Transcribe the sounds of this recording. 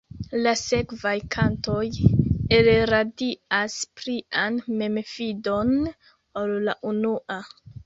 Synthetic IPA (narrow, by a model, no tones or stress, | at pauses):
lase̞kvajkʰanto̞jeleɾadiaspɾianme̞mefido̞n | olːaʔunuʔa